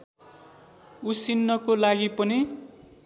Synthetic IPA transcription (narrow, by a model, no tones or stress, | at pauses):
usinːʌkolaɡipʌni